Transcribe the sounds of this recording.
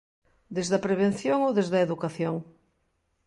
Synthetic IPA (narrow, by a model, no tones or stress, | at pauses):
d̪ezðɐpɾeβ̞ẽn̟θjoŋoðezðɐeðukaθjoŋ